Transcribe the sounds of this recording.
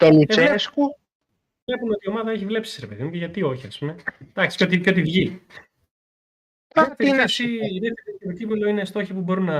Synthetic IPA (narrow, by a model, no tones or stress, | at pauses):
t̪onueesku | vle̞pumeot̪io̞mɐðɐeçivle̞psi̥sisɾepe̞ðimuceʝɐt̪io̞çiɐspume̞d̪̥ɐksi̥ot̪ipçot̪ivʝi | ɐt̪eɐsiiðeft̪eɾioet̪ocimelo̞inest̪o̞çipubo̞ɾinɐ